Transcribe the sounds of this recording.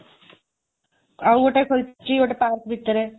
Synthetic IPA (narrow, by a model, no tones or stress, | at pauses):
awoʈekʰolt͡ʃioʈepaːɾkbʱit̪ːəɾe